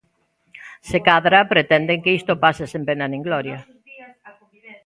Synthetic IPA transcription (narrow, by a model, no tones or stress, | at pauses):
sekaðɾapɾet̪ɛnd̪eŋkeist̪opasesempenanẽŋɡlɔɾjɐ